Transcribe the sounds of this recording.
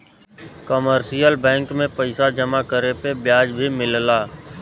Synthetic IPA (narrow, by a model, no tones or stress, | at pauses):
kəməɾʃijəlbɛ̃ːŋkmẽpəɪsad͡ʒəmakəɾepebjaːd͡ʒbʱimɪllaː